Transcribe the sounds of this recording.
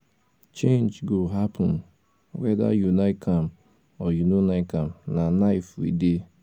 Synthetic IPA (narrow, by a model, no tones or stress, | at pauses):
t͡ʃẽnd͡ʒɡoɦapɔn | wɛda̰junaɪkʰam̩ | ɔjunonaɪkam̩nanaɪfḭde